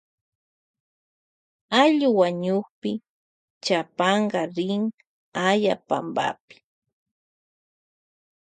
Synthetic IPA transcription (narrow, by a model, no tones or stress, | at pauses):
aʎʊwaɲʊχpɪ | t͡ʃapɑɴɢɑɾɪŋ | ajapa̰mba̰pɪ̥